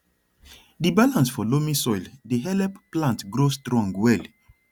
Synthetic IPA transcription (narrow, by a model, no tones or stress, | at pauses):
dibalãnsfɔlomĩsɔildeɦɛlɛpplãntɡɾostɾɔ̃ŋɡwɛl